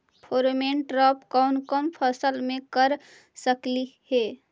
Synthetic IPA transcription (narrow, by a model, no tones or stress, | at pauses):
pʰoɾmeɳʈɾɔpkɔʊnkəmpʰəsəlmekəɾ | səklihe